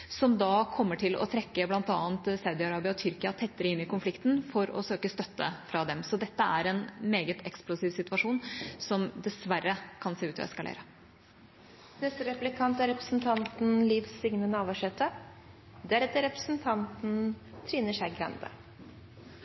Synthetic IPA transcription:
sɔmd̪ɑːkʰɔmːəʈʰɪlɔ̰t̪ʰɾɛkːəblɑnt̪ɑːənt̪sɑʉd̪ɪɑɾɑːbɪɔt̪ʰʏɾkɪɑt̪ʰɛt̪ːəɾəɪnːɪkʊnflɪkt̪n̩fɔɾɔ̰søːkəst̪œt̪ːə̰fɾɑd̪ɛmsɔd̪ɛt̪ːəæɾɛnmeːɡət̪ʰɛksplʊsiːʋsɪt̪ʉʋɑʂuːnsɔmd̪ɛsʋærːəkʰɑnseːʉːt̪ɑ̰ɛ̰skɑlḛːɾə | nɛst̪əɾɛplɪkʰɑnt̪æɾɛpɾəsn̩t̪ʰɑnt̪n̩liːʋsɪŋnənəɑːʋɑʂɛt̪ːə | d̪ɛæɾɛt̪ːəɾɛpɾə̥snt̪ʰɑnt̪n̩ | t̪ʰɾiːnəʂæɪɡɾɛ̰nd̪ə̰

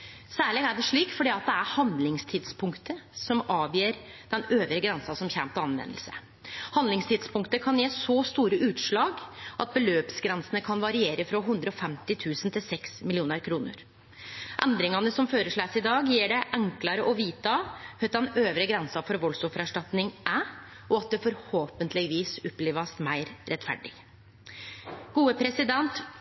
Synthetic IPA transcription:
sæːɭɛːɡæɖɛʂɭiːkfɔɖiːɑt̪̚d̪ɛæɾhɑnd̪lɪŋst̪ʰɪd̪spʰʊŋkt̪əsɔmɑːʋjeːɾd̪̥ɛnøːʋɾəɡɾɛnsɑsɔmçɛmt̪ɑnʋɛ̰nːəlsə̰ | hɑnd̪lɪŋst̪ʰɪd̪spʰʊŋkt̪əkʰɑnjeːsɔst̪uːɾəʔʉːt̪ʂɭɑːɡʔɑt̪̚bəløːpsɡɾɛnsənəkʰɑnʋɑɾɪeːɾəfɾɔɦʉnd̪ɾəɔfɛmt̪ɪt̪ʰʉːsənt̪ʰɪlsɛksmɪlɪuːnəɾkʰɾuːnə̰ɾ | ʔɛnd̪ɾɪŋɑnəsɔmføːɾəʂɭæːsɪd̪ɑːɡjiːɖɛʔæŋklɑɾəʔɔʋiːt̪ɑhœt̪ɑnøːʋɾəɡɾɛnsɑfɔɾʋɔlsɔfəɾɑʂʈɑt̪nɪŋʔæ | ʔɔɑt̪̚d̪ɛfɔɾhoːpənt̪ʰlɪʋiːsʊpːleːʋɑst̪mæɪɾɾɛt̪fæ̰ɖɪ̰ | ɡ̥uːəpʰɾɛsɪd̪ɛnt̪

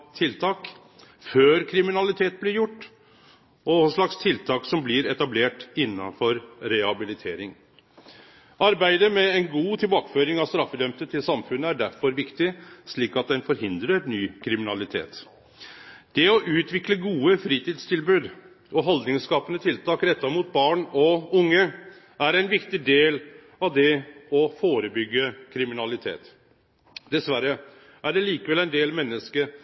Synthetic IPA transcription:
t̪ʰɪlt̪ʰɑːk | føːɾkʰɾɪmɪnɑlɪt̪ʰeːt̪̚blɪɾjʊʈː | ɔsɭɑkst̪ʰɪlt̪ʰɑːksɔmblɪɾɛt̪ɑbleːʈɪnːɑfɔɾɾɛhɑbɪlɪt̪ʰeːɾɪŋ | ʔɑɾbæɪd̪əmɛɛnɡuːt̪ʰɪlbɑːkə̥føːɾɪŋɑst̪ɾɑfːəd̪œmt̪ət̪ʰːɪlsɑmfʉnːəæɖæɾfɔɾʋɪkt̪ɪsɭiːkɑt̪̚d̪ɛnfɔɾhɪnd̪ɾəɾnyːkʰɾɪmɪnɑlɪt̪ʰḛːt̪ | d̪̥ɛɔʔʉːt̪ʰʋɪkləɡuːəfɾiːt̪iːd̪st̪ʰɪlbʉːd̪ | ʔɔɦɔld̪nɪŋskɑːpənət̪ʰɪlt̪ʰɑːkɾɛt̪ːɑɾmuːt̪̚bɑːɳɔʊŋːə | æɾæɪnʋɪkt̪ɪd̪eːl | ɑʋd̪ɛɔfoːɾəbʏɡːəkʰɾɪmɪnɑlɪt̪ʰḛːt̪ | d̪ɛsʋæɾːə | ʔæɖɛliːkəʋɛlæɪnd̪eːlmɛnːəskə

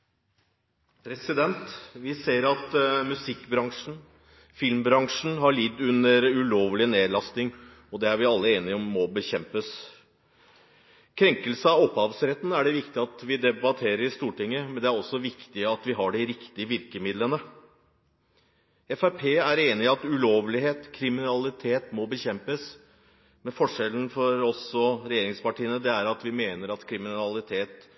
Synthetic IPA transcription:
pʰɾɛsɪd̪ɛnt̪ʋɪseːɾɑt̪mʉsɪkːbɾɑŋʂn̩ | fɪlmbɾɑŋʂn̩ɦɑɭɪd̪ʉnəɾʉloːʋlɪneːd̪lɑsnɪŋ | ɔd̪ɛæɾʋɪɑlːəeːnɪɔmːɔbəçɛmpəs | kʰɾɛŋkəlsəɑɔpːhɑːʋsɾɛt̪ːn̩æɖɛʋɪkt̪ɪɑt̪ʋɪd̪ɛbɑt̪ʰeːɾəɾɪst̪uːʈɪŋːəmɛnd̪ɛæɾɔsːɔʋɪkt̪ɪəɑt̪ʋɪɦɑɖɪɾɪkt̪ɪəʋɪɾkəmɪd̪lənə | ɛfæpʰeːæɾeːnɪɑt̪ʉloːʋlɪɦeːt̪kʰɾɪmɪnɑlɪt̪ʰeːt̪mɔbəçɛmpəs | mɛfɔʂɛlən̩fɔɾɔsɔɾɛjeːɾɪŋspɑʈʰiːənəd̪ɛæɾɑt̪ʋɪmeːnəɾɑt̪kʰɾɪmɪnɑlɪt̪ʰeːt̪

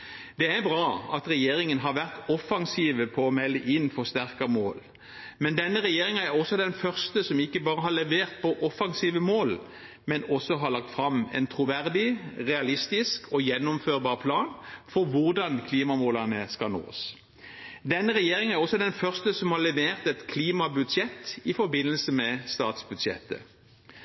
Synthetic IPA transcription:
d̪ɛæɾbɾɑːɑt̪ʁɛjeːɾɪŋənɦɑɾʋæʁt̪ɔfɑŋsiːʋəpʰɔːmɛlːəʔɪnːfɔst̪æʁkɑmoːl | mɛnd̪ɛnːəɾɛjeːɾɪŋɑæɾɔsɔd̪ɛnfœʁst̪əsɔmɪkːəbɑːɾəɦɑɾlɛʋeːʁt̪̚pʰɔʔɔfɑŋsiːʋəmoːl | mɛnɔsːɔɦɑɾɭɑk̚t̪fɾɑmɛ̰nt̪ʰɾʊʋæʁd̪ɪʁɛɑlɪst̪ɪskʰɔjɛnːʊmføːʁbɑːʁpʰlɑːnfɔɾʋʊʁd̪ɑnkʰliːmɑmoːlɑnəskɑno̰ːs | d̪ɛnːəʁɛjeːʁɪŋəæʁɔsːɔd̪ɛnfœʁst̪əsɔmhɑʁlɛʋeːʁt̪ɛt̪kʰliːmɑbʉd̪ʃɛt̪ːɪfɔɾbɪnːəlsəmɛst̪ɑ̰ːt̪sbʉd̪ʃɛ̰t̪ːə̰

